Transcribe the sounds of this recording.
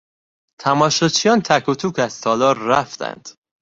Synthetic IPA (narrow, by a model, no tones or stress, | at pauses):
t̪ʰæmɒːʃɒːt͡ʃʰijɒːnt̪ʰækʰut̪ʰuːkæz̥t̪ʰɒːlɒːɾːæft̪æ̰nd̪̥